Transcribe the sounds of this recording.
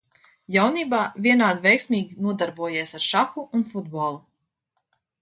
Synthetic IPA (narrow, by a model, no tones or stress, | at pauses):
jawniːbaːvʲiɛnaːd̪vʲɛjksʲmʲiːɡʲinuɔd̪aɾbuɔjeɛsaɾʃaxuːnfud̪bɔːlˠu